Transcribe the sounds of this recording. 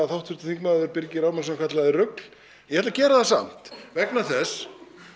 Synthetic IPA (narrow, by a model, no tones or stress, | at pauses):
aθawt̪fʏɾt̪ɪθiŋkmaðʏɾpɪɾcɪɾaːwmansakʰat̪laðɪrʏkl̥ | jɛhɛt̪lacɛːɾaðθasa̰m̥t̪vɛknaθɛs